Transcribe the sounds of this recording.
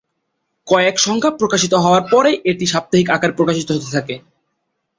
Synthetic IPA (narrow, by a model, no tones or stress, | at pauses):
kɔekʃɔŋkʰapɾokaʃit̪oɦɔoaɾpɔɾejʔeʈiʃab̚t̪aɦikakaɾpɾokaʃit̪oɦot̪et̪ʰake